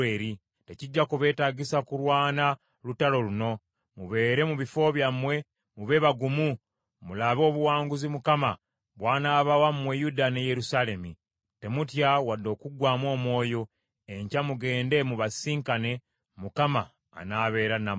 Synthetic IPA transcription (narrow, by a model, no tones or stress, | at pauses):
eːɾi | te̞ciɟːakuβe̞ːtaːɟisakuɾwaːna | lutalo̞luno̞ | muβe̞ːɾe̞muβifo̞βjamwe̞ | muβe̞βaɡumu | mulaβo̞ːβuwaːŋɡuzimukama | βwaːnaːβawammwejudaneje̞ɾusale̞mi | temutjawadːo̞ːkuɡwaːmwo̞ːmwo̞ːjo̞ | eɲcamuɡe̞ːnde̞muβasiːŋkane̞ | mukama̰ː | naβe̞ːɾana